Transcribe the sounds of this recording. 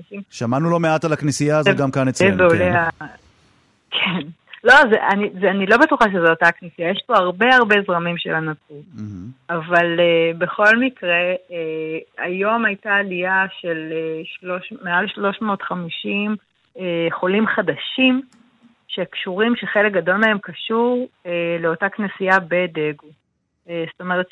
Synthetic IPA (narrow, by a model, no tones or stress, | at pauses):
ʃimʃamanulo̞meat̪alaknisijazɡamkanet͡seveolea | kʰen | lo̞zḛʔanizanilobetuχaʃ̬ezeotaknisijajeʃpo̞aʁbe̞aʁbe̞zʁamimʃe̞̰lanatuv̩avalebe̞χo̞lmikʁe̞ea̰jo̞majtaːlijaʃe̞leʃlo̞ʃmealʃlo̞ʃmotχamiʃim | eχo̞limχadaʃim | ʃekʃuʁimʃeχe̞lek̚ɡado̞lmee̞mkaʃuʁeleo̞taknesiabe̞deɡu | esto̞me̞ʁet̪